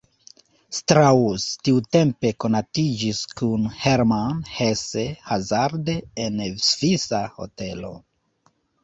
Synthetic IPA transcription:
stɾaustiute̞mpe̞ko̞natid͡ʒiskunheɾmanhesehazaɾdeːnsv̥isaho̞̰te̞lo̞̰

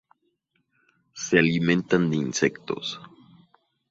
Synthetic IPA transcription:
sealimẽ̞nt̪and̪einsekt̪o̰s

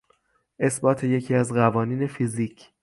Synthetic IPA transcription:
ʔe̞sbɒːt̪ʰe̞je̞cʰiːæzɣævɒːniːne̞fiziːcʰ

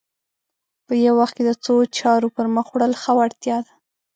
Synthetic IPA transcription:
pəjawaxt̪̚ked̪ət͡sot͡ʃɑɾopəɾməxwɽəlxawaɽt̪jɑd̪a

